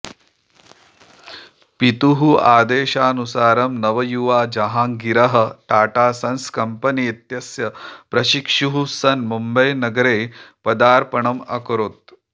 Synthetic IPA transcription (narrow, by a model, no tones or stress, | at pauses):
pit̪uɦuaːd̪eːʃaːnusaːɾɐmnɐʋɐjuʋaːd͡ʒɐɦaːŋɡiɾɐɦɐ̆ʈaːʈaːsɐnskɐmpɐnit̪jɐsjɐpɾɐʃikʂuɦusɐnmumbɐjnɐɡɐɾeːpɐd̪aːɾpɐɳɐmɐ̰kɾoːt̪̚